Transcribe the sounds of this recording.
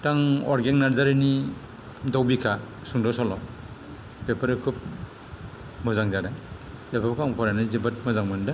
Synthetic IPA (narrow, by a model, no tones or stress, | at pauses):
taŋɔ̰ɾɡennaɾzaɾini | dawbikʰa | suŋdɔsɔlɔ | bepʰaɾɯkʰɯp̚ | mɯzaŋdaɾab̥epʰabkʰaŋpʰɔɾanɯzibɯt̚mɯzaŋmɯndɯ